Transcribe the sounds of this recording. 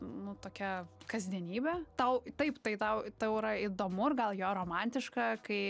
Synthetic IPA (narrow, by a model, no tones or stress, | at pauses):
nʊt̪oːkʲɛkɐzʲd̪ʲiɛnʲiːbʲɛt̪ɐʊt̪ɐɪpt̪ɐɪt̪ɐʊt̪ɐʊiɾɐid̪oːmʊrɡɐlˠjoːɾoːmɑnʲt̪ʲɪʃkɐkɐɪ